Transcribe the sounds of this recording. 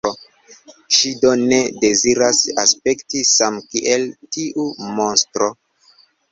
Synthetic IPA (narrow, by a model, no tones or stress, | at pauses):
o | ʃido̞ne̞de̞ziɾasaspe̞ktisamkiʔe̞ltiʔumo̞nstɾo̞